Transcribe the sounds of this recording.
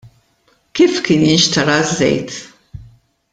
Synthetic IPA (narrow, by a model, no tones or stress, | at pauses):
kiːfkɪnɪnʃt̪ɐɾɐzːɛ̰jt̪